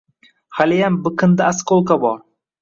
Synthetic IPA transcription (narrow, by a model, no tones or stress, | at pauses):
halɪjambɨqʰɨnd̪aasqʰolˠqɑbɒɾ